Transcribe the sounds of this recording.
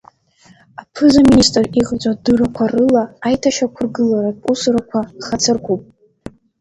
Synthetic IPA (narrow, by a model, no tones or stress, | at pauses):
apʰɨzaministʼriʁʼt͡sʷʼadɨrakʷʰarɨlaːjtʰaʃakʷʰʊrɡɨlaɾausɨɾakʷʰaχat͡sʰɨrkʷʰupʼ